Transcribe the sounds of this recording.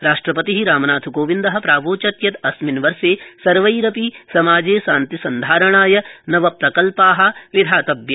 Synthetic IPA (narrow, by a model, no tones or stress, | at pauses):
ɾaːʂʈɾɐpɐt̪iɦiɾaːmɐnaːt̪ʰuɡoːʋind̪ɐɦɐ̆pɾaːʋoːt͡ʃɐt̪jɐt̪ɐsminʋɐɾseːsɐɾʋɐjɾɐpisɐmaːd͡ʒeːsaːnt̪isɐnd̪ʱaːɾɐɳ̃aːjɐnɐʋɐpɾɐkɐlpaːɦɐ̆ʋid̪ʱaːt̪ɐbjɐ